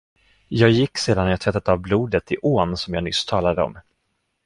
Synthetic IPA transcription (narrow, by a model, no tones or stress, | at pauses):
jɑːɡjɪkːseːd̪anːaɾjɑːt̪ʰvɛt̪ːat̪avbluːd̪ət̪ɪʔoːnsɔmjɑːɡnʏst̪ʰɑːlad̪əɔ̰m